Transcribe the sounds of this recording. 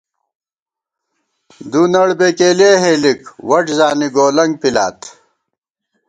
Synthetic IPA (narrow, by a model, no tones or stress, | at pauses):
d̪unɐɽbekeːleːɦeːlikwɐʈzaːniɡoːlɐŋɡ̚pilaːt̪